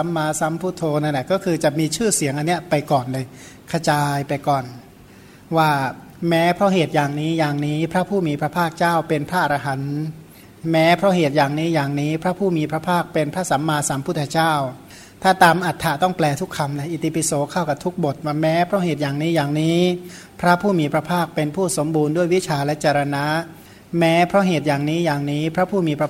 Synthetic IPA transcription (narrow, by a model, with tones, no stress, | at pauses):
sa˩˦mːaː˧sa˦˥mpʰuː˦˥˩t̪ʰoː˧na˥˩nlɛ˨˩kɔː˥˩kʰɯː˧t͡ɕa˨˩miː˧t͡ɕʰɯː˥˩si˨˩˦ŋʔa˧nːi˦˥ɐpa˧jkɔː˨˩nlɤː˧j | kʰa˧t͡ɕaː˧jpa˧jkɔː˨˩n | waː˥˩ | mɛː˦˥pʰɾɔ˦˥ɦeː˨˩t̪̚jaː˨˩ŋniː˦˥jaː˨˩ŋniː˦˥pʰɾa˦˥pʰuː˥˩miː˧pʰɾa˦˥pʰaː˥˩k̚t͡ɕaː˥˩wpe˧npʰɾa˦˥ʔa˧ɾa˧ɦa˩˦n | mɛː˦˥pʰɾɔ˦˥ɦeː˨˩t̪̚jaː˨˩ŋniː˦˥jaː˨˩ŋniː˦˥pʰɾa˦˥pʰuː˥˩miː˧pʰɾa˦˥pʰaː˥˩k̚pe˧npʰɾa˦˥sa˩˦mːaː˧sa˩˦mpʰu˦˥˩t̪ʰːa˧t͡ɕaː˥˩w | t̪ʰaː˥˩t̪aː˧mʔa˨˩t̪ʰːa˨˩t̪ɔ˥˩ŋplɛː˧t̪ʰu˦˥kʰːa˧mla˧˩ʔi˨˩t̪ʰi˧pi˧˩soː˩˦kʰa˥˩wka˨˩p̚t̪ʰu˦˥k̚bo˨˩t̪̚m˧mɛː˦˥pʰɾɔ˦˥ɦeː˨˩t̪̚jaː˨˩ŋniː˦˥jaː˨˩ŋniː˦˥ | pʰɾa˦˥pʰuː˥˩miː˧pʰɾa˧pʰaː˥˩k̚pe˧npʰuː˥˩so˩˦mbuː˧ndu˥˩əjwi˦˥t͡ɕʰaː˧lɛ˦˥t͡ɕa˧ɾa˧na˦˥ | mɛː˦˥pʰɾɔ˦˥ɦeː˨˩t̪̚jaː˨˩ŋniː˦˥jaː˨˩ŋniː˦˥pʰɾa˦˥pʰuː˥˩miː˧pʰɾa˧